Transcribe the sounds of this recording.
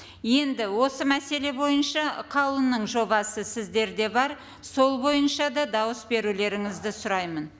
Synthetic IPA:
je̞nd̪ɪwo̞səmæse̞le̞bo̞jənʃɑqʰɑwlˠənːəɴʒo̞bɑsəsɪzd̪e̞ɾd̪e̞bɑɾ | so̞lˠbo̞jənʃɑd̪ɑd̪ɑwəsbe̞ɾule̞ɾɪŋɪzd̪ɪsʊɾɑjmən

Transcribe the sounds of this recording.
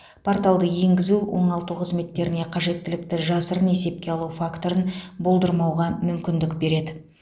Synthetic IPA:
pʰo̞rt̪alˠd̪əje̞ŋɡʲɪzuwo̞̰ɴɑlˠt̪uqʰəzme̞t̪ːe̞ɾɪne̞qʰɑʒe̞t̪ːɪlɪk̚t̪ɪʒɑsəɾəne̞se̞p̚kʲe̞ɑlˠuwfakt̪o̞ɾənbo̞lˠd̪əɾmɑwʁɑmʏmkʲɪnd̪ɪkbe̞ɾe̞d̪ɪ

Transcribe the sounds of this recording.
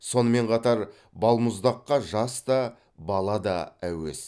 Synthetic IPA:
so̞nəme̞ɴqʰɑt̪ɑɾ | bɑlˠmʊzd̪ɑqːɑʒɑst̪ɑ | bɑlˠɑd̪ɑ̰æ̰we̞̰s

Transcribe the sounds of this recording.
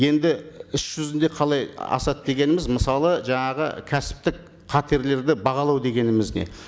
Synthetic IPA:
je̞nd̪ɪʏsʒ̥ʏzɪnd̪e̞qʰɑlˠɑjɑ̰sɑt̪̚d̪e̞ɡʲe̞nɪmɪzməsɑlˠəʒɑɴɑʁə̰kʲʰæsɪ̥p̚t̪ɪk | qʰɑt̪e̞ɾle̞ɾd̪ɪbɑʁɑlˠɑwd̪e̞ɡʲe̞nɪmɪzne̞̰

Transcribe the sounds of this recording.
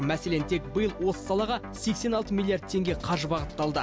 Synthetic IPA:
mæse̞le̞nt̪ʰe̞k̚bəjəlˠwo̞sə̥sɑlˠɑʁɑ | se̞kse̞nɑlˠt̪əmilʲːˠijard̪̚t̪ʰe̞ŋɡʲeqʰɑʒəbɑʁət̪ːɑlˠd̪ə

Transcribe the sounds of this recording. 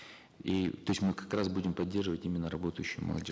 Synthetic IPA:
it̪o̞ɪsʲmɨkɐ̥kɾasbudʲɪmpɐdʲːe̞rʐɨvətʲimʲɪnːəɾɐbo̞t̪əjɕːɪjʊmə̰lˠɐ̰d̪ʲi

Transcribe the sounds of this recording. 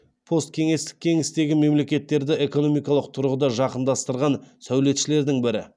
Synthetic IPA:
pʰo̞st̪̚kʲʰe̞ŋe̞st̪ɪ̥k̚ʲʰːe̞ŋɪst̪e̞ɡʲɪme̞mle̞kʲe̞t̪ːe̞ɾd̪ɪe̞ko̞no̞mijkɑlˠəq̚t̪ʰʊɾʁəd̪ɑʒɑqənd̪ɑst̪əɾʁɑnsæwle̞t̪ʃɪle̞ɾd̪ɪŋbɪɾɪ̰

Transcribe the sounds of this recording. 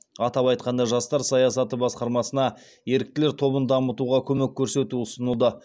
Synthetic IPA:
ɑt̪ɑpɑjt̪̚qɑnd̪ɑʒɑst̪ɑɾsɑjɑsɑt̪əbɑsqɑɾmɑsənɑ | je̞ɾɪk̚t̪ɪle̞ɾt̪ʰo̞bənd̪ɑmət̪uʁɑkʲʰɵmekʲʰːɵɾse̞t̪uʊsənəlˠd̪ə

